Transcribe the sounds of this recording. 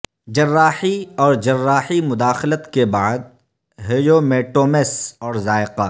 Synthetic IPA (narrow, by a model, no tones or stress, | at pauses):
d͡ʒɐrːaːhiɔːɾd͡ʒɐrːaːhimʊd̪aːxlət̪kebaːd̪̚ | ɦeːjoːmeːʈoːmesɔːɾzaːɪqa